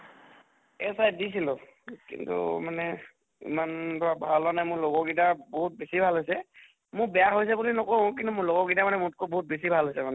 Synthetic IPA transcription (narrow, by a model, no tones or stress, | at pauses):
ɛsajdis̬ilɔ | kḭntṵmanɛ | ḭmanbɔɹabʱalanajmʊɹloɡɔɡidaboɦut̚besibʱalɦojsɛ | mʊɹbɛjaɦojs̬ɛbulinɔkɔɹɔ̃k̬intumʊɹlɔɡɔɡidamanɛmʊt̚kobɔɦut̚besibʱalɦɔjsɛmanɛ